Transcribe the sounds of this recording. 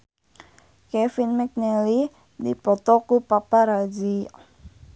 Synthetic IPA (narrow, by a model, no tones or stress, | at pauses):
kɛfinmɛk̚nɛli | dipɔt̪ɔkupapaɾad͡ʒi